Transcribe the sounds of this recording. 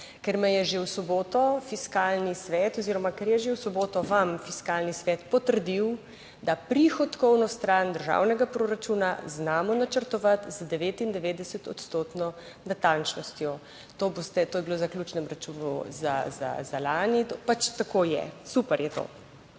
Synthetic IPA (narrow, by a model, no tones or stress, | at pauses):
kɛɾmɛjɛʒewsɔboːt̪ɔfiskaːlnisʋɛːt̪ɔziːɾɔmakɛɾjɛʒewsɔboːt̪ɔʋamfiskaːlnisʋɛt̪pɔt̪əɾd̪iw | d̪apɾixɔt̪kɔwnɔst̪ɾand̪əɾʒa̰ːwnɛɡapɾoɾat͡ʃunaznaːmɔnat͡ʃəɾt̪ɔʋat̪zd̪ɛʋeːt̪ind̪ɛʋeːd̪ɛsət̪ɔ̰t̪st̪oːt̪nɔ | nat̪ant͡ʃnɔst̪jɔ | t̪oːbost̪ɛt̪oːjɛbiloːzaklʲjuːt͡ʃnɛmɾat͡ʃunṵza̰za̰zalaːnit̪opat͡ʃt̪akojɛ̰supɛɾjɛt̪o̰